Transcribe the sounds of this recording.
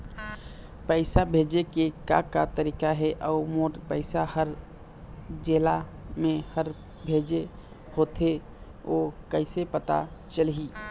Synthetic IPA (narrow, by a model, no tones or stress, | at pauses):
pəɪsabʱed͡ʒekeka̰kat̪əɾikaɦɛʔəʊmoɾpəɪsahəɾ | d͡ʒelamehəɾ | bʱed͡ʒe | hot̪ʰe | okəɪsepət̪a̰t͡ʃəlɦi